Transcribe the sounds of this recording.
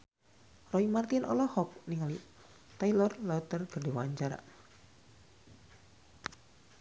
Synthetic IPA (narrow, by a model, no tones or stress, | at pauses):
rɔimart̪inʔɔ̰lɔhɔk̚niŋali | t̪ailɔrlɔt̪ərkərdewaɲt͡ʃaɾa̰